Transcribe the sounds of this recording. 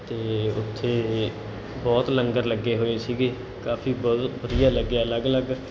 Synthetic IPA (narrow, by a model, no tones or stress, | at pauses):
t̪eːʊ̰t̪ʰːeː | bɔːt̪ləŋɡəɾləɡːeːɦoːeːsiːɡeː | kaːfʰiːbɔːbəd̪ijaːləɡːaːələɡələɡ